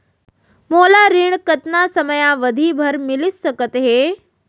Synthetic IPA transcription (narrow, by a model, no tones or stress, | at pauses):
molaɾiɳ̃kət̪nasəməjaʋəd̪ʱibʱəɾmilissəkət̪ɦe